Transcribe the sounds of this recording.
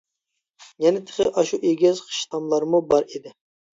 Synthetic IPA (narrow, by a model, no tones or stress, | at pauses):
jɛnɪt̪ʰə̥χəʔɑʃuʔeɡʲɪzqʰə̥ʃt̪ʰɑmlˠɑɾmubɑɾid̪ɪ